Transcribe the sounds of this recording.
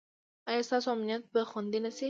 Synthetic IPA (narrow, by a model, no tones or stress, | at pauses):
ajast̪asoamnjat̪̚pəxʊnd̪enase